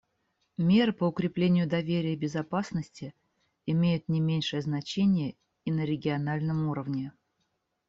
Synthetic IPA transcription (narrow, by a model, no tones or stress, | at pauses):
mʲe̞ɾɨpəʊkɾʲɪplʲenʲɪjʊd̪ɐvʲeɾʲɪjəbʲɪzɐpasnəsʲtʲɪ | ɪmʲejʊt̪nʲɪmʲenʲʂəjəznɐt͡ɕenʲɪjə | inəɾʲɪɡʲɪɐnalʲnəmuɾəvnʲɪ